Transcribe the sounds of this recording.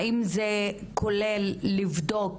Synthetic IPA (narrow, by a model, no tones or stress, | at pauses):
imzekʰolelːivd̪ok